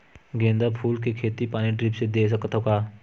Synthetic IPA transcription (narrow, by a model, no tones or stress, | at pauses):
ɡẽːnd̪apʰuːlkekʰeːt̪ipaːniʈɾiːpsed̪eːs̬əkət̪ʰokaː